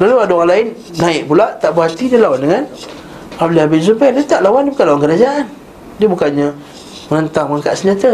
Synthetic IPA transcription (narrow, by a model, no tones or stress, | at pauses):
laluadaɔɣaŋlaɪnː | aɪʔpulaʔt̪aʔbəɦat̪idilawandəŋan | aliabɪzubɛrdiət̪aʔlawandiəbukanlawankəɾad͡ʒaʔan | diəbukanɲa | mənənt̪aŋmaŋkaʔsəɲat̪ə